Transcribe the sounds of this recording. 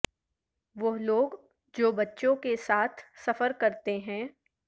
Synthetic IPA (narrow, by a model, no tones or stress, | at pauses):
ʋoloːɡ | d͡ʒoːbɐtːʃõkesaːt̪ʰsɐfəɾkɐɾt̪eɦɛ̃ː